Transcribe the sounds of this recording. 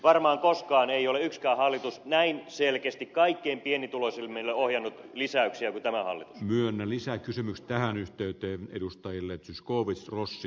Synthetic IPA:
ʋɑrmɑːŋkoskɑːneioleykskæːhɑlːit̪usnæinselkest̪ikkɑikːeimpienːit̪ulosilmelːeohjɑnːut̪lisæyksiækut̪æmæhɑ̰lːit̪u̥ssmyønːælisækysymykst̪æhænyht̪eyt̪eːḛdust̪ɑjilːet̪syskoːʋisrosːi

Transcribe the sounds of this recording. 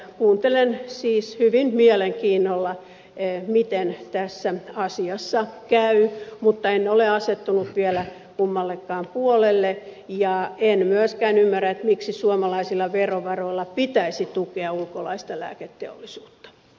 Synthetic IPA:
kuːnt̪elensiːshyʋinmiɛleŋkiːnːolːɑ | mit̪ent̪æsːæɑsiɑsːɑkæymut̪ːɑenːoleɑset̪ːunut̪ʋiɛlæ | kumːɑlːekːɑːmpuolelːejɑenmyøskæːnymːæræet̪miksisuomɑlɑisilːɑʋeroʋɑroilːɑpit̪æisit̪ukeɑulkolɑist̪ɑlæ̰ːket̪ːḛo̰lːˑisuːt̪ːɑ̥

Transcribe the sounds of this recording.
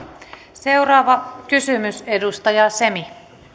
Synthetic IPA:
se̞urɑːʋɑkysymysedust̪ɑjɑse̞mi

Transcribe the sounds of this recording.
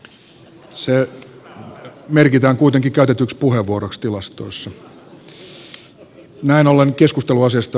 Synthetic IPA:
se | merkit̪æːŋkuit̪eŋkikæyt̪et̪ykspuheʋːuoɾokst̪ilɑst̪o̰isːɑ | næinoleŋkeskust̪eluɑsiɑst̪ɑ

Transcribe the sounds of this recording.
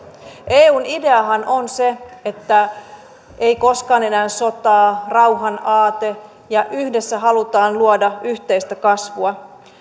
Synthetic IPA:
ʔeːuːnide̞ɑɦɑnʔo̞nse̞et̪ːæ | eijko̞skɑːne̞næːnso̞t̪ɑːrɑwɦɑnɑːt̪e | jɑʔyhdesːæɦɑlut̪ɑːnluodɑyçt̪e̞jst̪ækɑsʋuɑ

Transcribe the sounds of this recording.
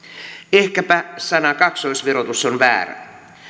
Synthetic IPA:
ehkæpæsɑnɑkɑksoisʋeɾot̪usːonʋæ̰ːræ̰

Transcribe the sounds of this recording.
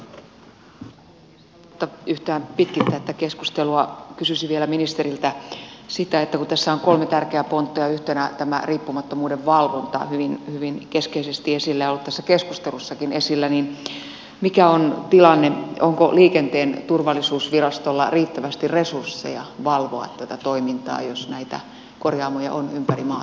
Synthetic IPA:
ut̪ːɑyht̪æːmpit̪̚kist̪ːæet̪ːækeskust̪eluɑkysysiʋielæminist̪eɾilt̪æsit̪æet̪ːækut̪æsːæoŋkolmet̪ærkeæpont̪ːojɑyht̪enæt̪æmæ̰riːpːumɑt̪ːomuːdeʋʋɑlʋont̪ɑ̰hyʋinhyʋinkeskeisest̪iesilːæjolːut̪t̪æsːækeskust̪elusːɑkinesilːænin | mikæont̪ilɑnːeoŋko̰liːkent̪eːnt̪urʋɑlːisuːsʋirɑst̪olːɑ̰riːt̪ːæʋæst̪irresursːḛjɑ̰ʋɑlʋoɑ̰t̪t̪ːæt̪æt̪oimint̪ɑ̰ːjosnæit̪æ̰ | korjɑːmojɑ̰ʔonympærimɑː

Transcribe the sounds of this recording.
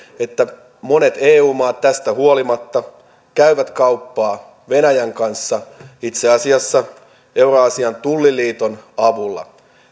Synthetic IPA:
et̪ːæ | mo̞ne̞t̪eːuːmɑːt̪t̪æst̪æhuolimɑt̪ːɑ | kæyʋæt̪kɑupːɑː | ʋenæjæŋkɑnsːɑit̪seɑsiɑsːɑ | euroɑsiɑnt̪ulːiliːt̪onɑʋulːɑ̰

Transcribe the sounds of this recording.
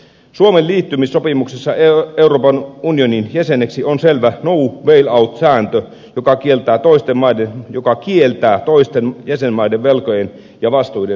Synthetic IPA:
suomeliːt̪ːymisːopimuksesːɑeeuroːpɑnunioninjæseneksionselʋænouʋeilɑut̪sæːnt̪ø | jokɑkielt̪æːt̪oist̪emmɑidenjokɑkielt̪æːt̪oist̪enjæsenmɑideʋʋelkojen | jɑʋɑst̪ujde

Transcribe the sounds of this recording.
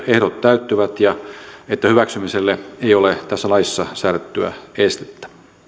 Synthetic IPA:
ehɾot̪tæyt̪ːyʋæt̪jɑet̪ːæhyʋæksymiselːeeijolet̪æsːælɑisːɑsæːrt̪ːyæ̰est̪e̥t̪ːæ̥ʋæ

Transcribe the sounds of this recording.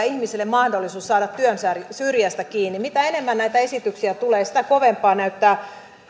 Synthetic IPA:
ihmiselːemmɑhdolːisuːssɑːdɑt̪tyønsærsyrjæst̪ækiːnːimit̪æenemːænnæit̪æesit̪yksiæt̪uleːsi̥t̪ækoʋempːˑɑːnæyt̪ːæː

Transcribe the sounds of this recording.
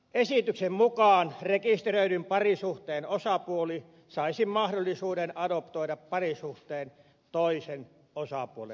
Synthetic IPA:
esit̪yksemmukɑːnrekist̪erøidympɑrisuht̪eːnosɑpuoli | sɑˑisimmɑhdolːˑisuːdenɑdopt̪oiɾɑppɑrisuht̪eːn | t̪oisen | osɑpuolḛ

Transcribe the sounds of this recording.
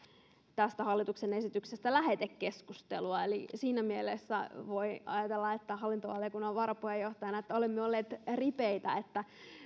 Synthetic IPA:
t̪æst̪æhɑlːit̪uksenesit̪yksest̪ælæhet̪ekːe̞skust̪ḛluɑelisiːnæmielesːæ̰ʋo̞iɑ̰jɑt̪elːɑet̪ːæhɑlːint̪oʋɑlijkunːɑʋɑɾɑpuhejoht̪ɑjɑnɑet̪ːæolemːeolːeːt̪ripeit̪æ̰et̪ːæ

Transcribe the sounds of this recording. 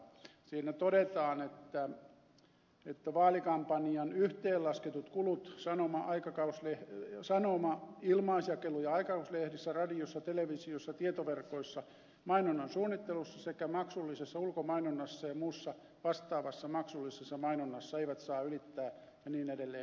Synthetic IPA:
siːnæt̪odet̪ɑːnet̪ːæ | et̪ːæʋɑːlikɑmpɑniɑnyht̪eːllɑsket̪ut̪kulut̪sɑnomɑʔɑikɑkɑuslehsɑnomɑilmɑːsjɑkelujɑɑikɑuslehɾisːærɑdiosːɑt̪eleʋisiosːɑt̪iet̪oʋerkoisːɑ | mɑinonːɑnsuːnːit̪ːelusːɑsekæmɑksulːisesːɑulkomɑinonːɑsːɑjɑmuːsːɑ | ʋɑst̪ɑːʋɑsːɑmɑksulːisesːɑmɑinonːɑsːɑeiʋæt̪sɑːylit̪ːæː | jɑniːnedelːeː

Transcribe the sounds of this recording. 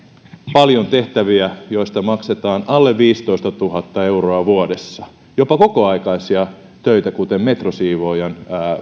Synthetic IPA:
pɑljont̪eht̪æʋiæjoist̪ɑmɑkset̪ɑːnɑlːeʋʋiːst̪oist̪ɑt̪uhɑt̪ːɑe̞uroɑʋuodesːɑ | jopɑko̞koɑikɑisiɑ | t̪øit̪ækut̪emmet̪rosiːʋojɑnː

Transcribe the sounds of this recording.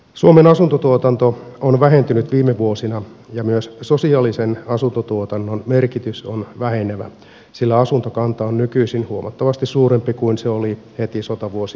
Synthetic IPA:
suomenɑsunt̪ot̪uot̪ɑnt̪oonʋæɦe̞nt̪ynyt̪ʋiːmːeʋuosinɑjɑmyøssosiɑlisenɑsunt̪ot̪uot̪ɑnːonmerkit̪ysonʋæheneʋæ̰ | silːæɑsunt̪okɑnt̪ɑonnykyisinhuomʔɑ̰t̪ːɑʋɑst̪issuːɾempikuinseolihet̪isot̪ɑʋuosi

